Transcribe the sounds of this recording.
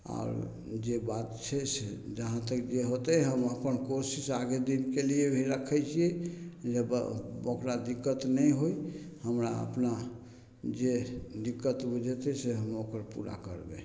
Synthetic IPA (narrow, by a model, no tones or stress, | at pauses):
a̰ːɾ | d͡ʒebat̪t͡ʃʰɛsed͡ʒəɦãt̪əkd͡ʒeɦot̪ɛɦəməpənkosisaɡed̪inkeliebʱiɾəkʰːɛjt͡ʃʰiɛd͡ʒəbokɾad̪ikːət̪nəjɦoi | həmɾa̰ə̰pna | d͡ʒed̪ikːət̪bud͡ʒʱɛt̪ɛseɦəmokəɾpṵɾa̰kə̰ɾbḛ